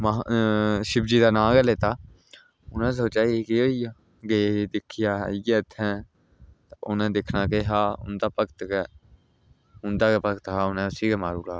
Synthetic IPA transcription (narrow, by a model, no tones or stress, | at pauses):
ma | ʃɪbd͡ʒiːd̪aːnãːɡɛleːt̪aː | ʊnɛ̃ːs̬oːt͡ʃaːikeoːiːa | ɡed̪ɪkʰːɪjaːɦiɡɛːət̪ʰːɛ̃ː | t̪aʔʊnɛ̃ːd̪ɪkʰnaːkeːɦaːʊ̰nd̪aːpəkt̪kɛː | ɦʊnd̪aːkːpəkt̪ɦaːʊnɛ̃ːʊsiːkɛːmaːɾuːlaː